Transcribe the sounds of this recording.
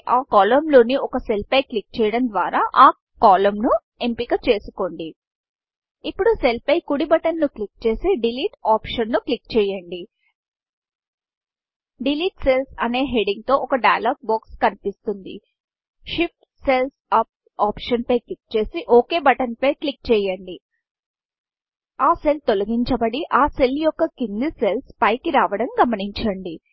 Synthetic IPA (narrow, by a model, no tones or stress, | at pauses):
ʔaːkaːlɐmlo̞ːniʔɔkɐse̞lpɐjklik̚t͡ʃɛːjɐɽɐnd̪ʋaːɾaːʔaː | kaːlɐmnu | empikɐt͡ʃe̞ːsu̥ko̞ɳɖi | ipːuɽuse̞lpɐjkuɽibɐʈɐnːuklik̚t͡ʃe̞ːsiɖiliːʈaːpʂɐnːuklikt͡ʃɛːjɐɳɖi | ɖiliːʈselsɐne̞ːɦeɖiŋɡ̚t̪o̞ːʔɔkɐɖɐjɐlaːɡ̚baːkskɐnipist̪und̪ḭ | ʃip̚ʈ | selsaːp̚ | aːpʂɐnpɐjklik̚ːt͡ʃe̞ːsiʔoːke̞ːbɐʈɐnpɐjklik̚t͡ʃɛːjɐɳɖi | aːse̞lt̪olɐɡiɲt͡ʃɐbɐɽiʔaːseljɔkːɐkind̪ise̞lspɐjkiɾaːʋɐɽɐmɡɐmɐniɲt͡ʃɐɳɖi